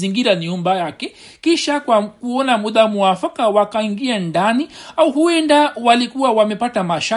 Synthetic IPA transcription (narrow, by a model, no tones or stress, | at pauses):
iŋɡiɾaniumbajakɛ | kiʃakwakuɔnamuɗamuafakawakaiŋɡiandaniauhuɛndawalikuwawamɛpatamaʃa